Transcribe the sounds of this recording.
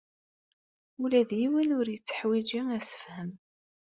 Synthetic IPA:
ulæðjiwənʊɾjət͡sːə̥ħwid͡ʒiæsə̥fhəm

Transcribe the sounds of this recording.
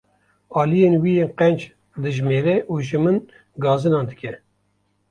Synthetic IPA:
ɑːlijeːnwijeːnqɛnd͡ʒ | d̪ɨʒmeːɾɛʔuːʒɨmɨn | ɡɑːzɨnɑːnd̪ɨkʲɛ

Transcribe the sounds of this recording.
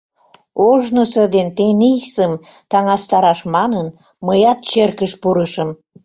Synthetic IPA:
oʒnosəd̪ent̪enisəm | t̪ɑŋɑst̪ɑɾɑʃmɑnən | məjɑt̪̚t͡ɕerkəʃpuɾəʃəm

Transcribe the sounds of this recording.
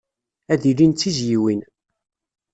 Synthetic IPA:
æðilint͡sːizjiwin

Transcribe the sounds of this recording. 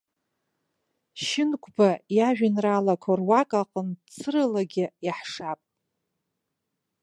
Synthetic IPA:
ʃɪnkʷʰʼbajaʒᶣanralakʷʰarwakʼaqʼənt͡sʰɨrɨlaɡʲɪjaħʂapʼ

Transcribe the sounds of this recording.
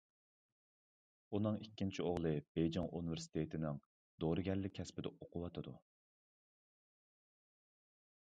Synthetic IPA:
unɨŋikʲːint͡ʃʰioʁlˠɨb̥ejd͡ʒɑŋʔunɪvɪɾsɪ̥t̪ʰet̪ʰɪnɪŋ | d̪̥oɾɨɡʲɛllːɪk̚ʲʰːɛspɪd̪ɛʔoqʰʊwɑt̪ʰɨd̪u

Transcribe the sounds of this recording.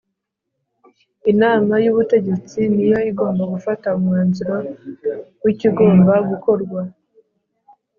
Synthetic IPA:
inaːmajuβute̞ɟe̞t͡sinijo̞iɡo̞ːmbaɡufataumŋaːnziɾo̞ | wiciɡo̞ːmbaɡuko̞ɾɡwa

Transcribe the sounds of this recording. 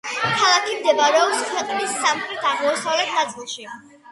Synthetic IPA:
kʰalˠakʰimd̪ɛvaɾɛɔpskʰwɛqʼnisːamχɾɛt̪ʰaʁmɔːsavlɛt̪ʰnad̪sʼilˠʃi

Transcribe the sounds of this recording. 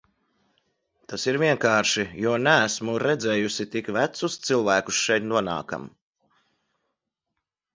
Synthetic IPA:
t̪asiɾvʲiɛŋkaːɾʃijuɔnææsmuɾɛd̪zɛːjusit̪ikvæt̪sust̪silˠvæːkusʃɛjt̪nuɔna̰ːka̰m

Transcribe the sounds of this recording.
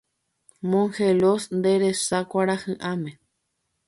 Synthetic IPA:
mõŋxelosnd̪eɾesakʷaɾahɨ̃ʔamẽ

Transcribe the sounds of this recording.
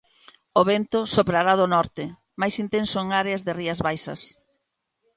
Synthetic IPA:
oβent̪ʊsopɾaɾaðʊnɔɾt̪ɪ | majsint̪ẽnsoeŋaɾeazðɪriɐzβajsɐ̰s

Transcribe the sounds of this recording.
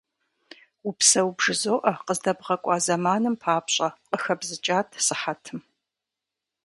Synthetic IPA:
upsɐwubʐɨzoːʔɐqəzdɐbʁɐkʷʼɑːzɐmaːnɨmpʰaːpɕʼɐqʼəxɐbzɨt͡ʃʼaːtʰsɨħatʰɨm

